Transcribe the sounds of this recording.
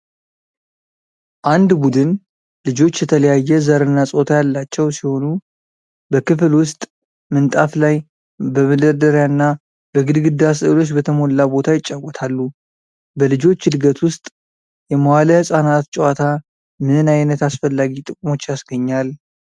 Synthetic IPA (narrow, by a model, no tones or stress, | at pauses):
ʔand̪bud̪ɨn | lɨd͡ʒo̞t͡ʃːjɛt̪ʰələjajːɛzəɾɨnːasʼo̞t̪ʰajalːat͡ʃːɛwsiho̞nu | bəkɨflwʊst̪ʼ | mɨnt̪ʼaflaj | bəməd̪əɾd̪əɾjaɨnːa | bəɡɨd̪ɡɨd̪asəlo̞t͡ʃːbət̪ʰəmo̞lːabo̞t̪ʰajɪt͡ʃʼːawːɔt̪ʰalːu | bəlɨd͡ʒo̞t͡ʃːhɨd̪ɡət̪wʊst̪ʼ | jɛməwaləhɨsʼanat̪t͡ʃʼwat̪ʰa | mɨnajnət̪asfəlːaɡit̪ʼɨkʼmo̞t͡ʃːjasɡəɲːal